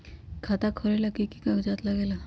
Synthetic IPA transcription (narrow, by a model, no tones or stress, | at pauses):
kʰat̪akʰoɾelakikikãkd͡ʒat̪ləɡela